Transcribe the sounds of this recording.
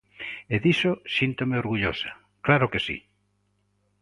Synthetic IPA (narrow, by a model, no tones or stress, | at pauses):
eðisosint̪omeoɾɣuʎosḁ | klaɾokesḭ